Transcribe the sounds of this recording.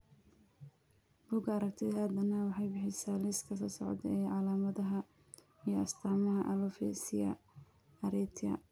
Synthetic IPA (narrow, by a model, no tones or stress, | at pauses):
b̥uːɡɐɾɐk̚t̪ʰɛðɐd̪ɐnɐwɑħɑjbɪħɪsaːlɪskʰɐsɐsɔ̰ʕd̪ɛːʕɑlaːmɐðɐɦɐ | ijɔɐst̪ʰaːmɐɦɐʔɐlɔfɛ̰sɪjɐ̰ | ɐɾɛːt̪ʰɐ̰